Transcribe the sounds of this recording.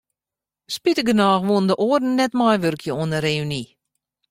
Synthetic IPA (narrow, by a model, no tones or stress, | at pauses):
spitəɡənaːxʋoəndəʔoərdn̩nɛtmajʋørkʰjəoənəɾeyni